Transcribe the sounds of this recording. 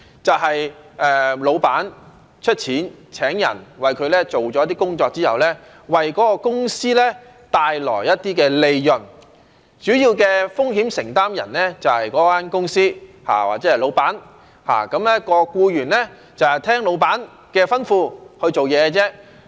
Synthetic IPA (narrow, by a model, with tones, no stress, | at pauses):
t͡sɐ˨wɦɐ˨jɛː˨˧lo˨˧wpaː˨˥n | t͡ʃʰɵ˥t̚t͡sʰiː˨˥n | t͡sʰɛː˨˥ŋjɐ̰˨˩nwɐ˨jkʰɵ˨˧ɥlɛː˥t͡ʃo˨˩wt͡ʃɔː˨˦˥t̪i˥kʊ˥ŋt͡sɔː˧k̚t͡siː˥hɐ̰˨˩wlɛː˥ | wɐ˨jkɔː˨˥kɔ˧kʊ˥ŋsiː˥lɛː˥ | t̪aː˧jlɔ̰ː˨˩jjɐ˥t̚t̪iː˥kɛː˧le˧jjɵ˨n | t͡ʃyː˨˥jiː˧wkɛː˧fʊ˥ŋɦi˨˥msɪ˨˩ŋt̪aː˥mjɐ̰˨˩nlɛː˥t͡sɐ˨whɐ˨jkɔː˨˥faː˥nkʊ˥ŋsiː˥ | ha̰ː˨˩wa̰ː˨k̚t͡sɛ˨˥ɐ˨˩lo˨˧wpaː˨˥n | ha̰ː˨˩kɐ˨˥mlɛ˥kɔː˧kuː˧jyː˨˩nlɛ˥ | t͡sɐ˨whɐ˨jt̪ʰɛː˥ŋlo˨˧wpaː˨˥n | kɛː˧fɐ˥nfuː˧hɵ˧ɥt͡so˨wjɛː˨˧t͡sɛː˥